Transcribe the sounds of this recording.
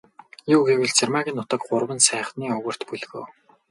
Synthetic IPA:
juːɣewɘ̆ɮt͡sʰermaɣʲiːnːʊt̪ə̆k̚ɢʊrwə̆nsæːχniːɵɣɵ̆r̥t̪puɮɣo̰ː

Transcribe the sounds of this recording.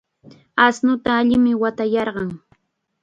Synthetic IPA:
asnʊt̪aːʎɪmɪwat̪ajɑɾɢɑŋ

